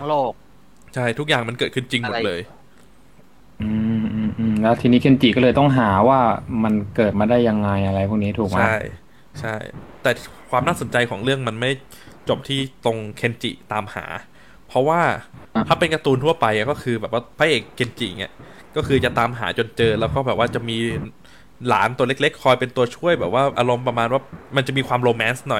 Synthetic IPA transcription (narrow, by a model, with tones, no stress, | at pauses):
loː˥˩k̚ | t͡ɕʰa˥˩jt̪ʰu˦˥k̚jaː˨˩ŋma˧nkɤː˨˩t̪̚ʰɯ˥˩nt͡ɕi˧ŋmo˨t̚lɤː˧j | ʔɯː˧ʔɯː˧ʔɯː˧mlɛ˦˥wt̪ʰiː˧niː˦˥kʰe˧˥nt͡ɕi˨˩kɔː˥˩lɤː˧jt̪ɔ˥˩ŋɦaː˩˦waː˥˩ma˧nkɤː˨˩t̪̚maː˧daː˥˩jːa˧ŋːa˧jʔa˧ɾa˧jpʰu˥˩k̚niː˦˥t̪ʰuː˨˩k̚ma˦a˥˩j | t͡ɕʰa˥˩jt̪ɛː˨˩kʰwaː˧mnaː˥˩so˩˦nt͡ɕa˧jkʰɔː˩˦ŋɾɯ˥˩əŋma˧nma˥˩j | t͡ɕo˨˩p̚t̪ʰiː˥˩t̪o˧ŋkʰe˧nt͡ɕḭ˨˩t̪aː˧mha̰ː˩˦ | pʰɾɔ˦˥waː˥˩t̪ʰaː˥˩pe˧nka˧t̪uː˧nt̪ʰu˥˩ɐpa˧ja˨˩kɔː˥˩kʰɯː˧bɛː˨˩p̚waː˥˩pʰaː˦˧˥ʔeː˨˩kʰːe˧nt͡ɕḭ˨˩ŋa̰˧˩ | kɔː˥˩kʰɯː˧t͡ɕa˨˩t̪aː˧mɦa̰ː˩˦t͡ɕo˧nt͡ɕɤː˧lɛː˦˥wkɔː˥˩bɛː˨˩p̚waː˥˩t͡ɕa˨˩miː˧ | laː˩˦nt̪u˧ɐle˦˥k̚le˦˥kʰːɔː˧jpe˧nt̪u˧ɐt͡ɕʰu˥˩əjbɛː˨˩p̚waː˥˩ʔa˧ɾo˧mpɾa˧maː˧nwaː˥˩ma˧nt͡ɕa˨˩ʔmiː˧kʰwaː˧mɾoː˧mɛː˦˥nsnɔ˨˩j